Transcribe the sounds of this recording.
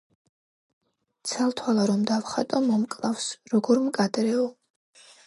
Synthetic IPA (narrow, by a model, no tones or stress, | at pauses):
t̪sʰalt̪ʰwalˠaɾɔmd̪avχat̪ʼɔmɔmkʼlˠavsɾɔɡɔɾmkʼad̪ɾɛɔ